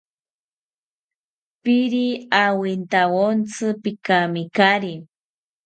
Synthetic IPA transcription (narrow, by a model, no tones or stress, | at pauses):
piɾiawint̪awont͡sɨpikamikaɾi